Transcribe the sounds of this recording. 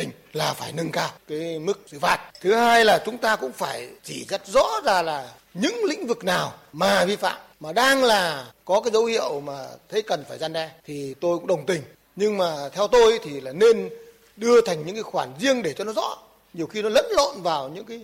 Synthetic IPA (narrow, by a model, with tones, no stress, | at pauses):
t̪ï˨˩ŋ̟laː˨˩faː˧˩jnə˧nkaː˧wkaː˨˦jmɨ˦˥k̚sɨ̰˧˩faː˨˩t̚t̪ʰɨ˨˦haː˧jlaː˨˩t͡ɕʊ˨˦ŋ͡mt̪aː˧kʊ̰˧˥ŋ͡mfaː˧˩jt͡ɕi˧˩za˦˥t̚zɔ̰˧˥zaː˨˩laː˨˩ | ɲɨ̰˧˥ŋlḭ̈˧˥ŋ̟vɨ˨˩k̚naː˨˩wmaː˨˩vi˧fa̰ː˧˨m | maː˨˩ɗaː˧ŋlaː˨˩kɔ˨˦kaː˨˦jzə˨˦whḭ˧˨əwmaː˨˩t̪ʰə˨˦jkə˨˩nfaː˧˩jza˧nɗɛ˧t̪ʰi˨˩t̪o˧jkʊ̰˧˥ŋ͡mɗə˨˩wŋ͡mt̪ï˨˩ŋ̟ | ɲɨ˧ŋmaː˨˩t̪ʰɛ˧wt̪o˧jʔjt̪ʰi˨˩laː˨˩ne˧n | ɗɨ˧ət̪ʰa˨˩ŋ̟ɲɨ̰˧˥ŋkaː˨˦jxwaː˧˩nzi˧əŋɗe˧˩t͡ɕɔ˧nɔ˨˦zɔ̰˧˥ | ɲi˨˩əwxi˧nɔ˨˦lə̰˧˥nlo̰˧˨nvaː˨˩wɲɨ̰˧˥ŋkaː˨˦j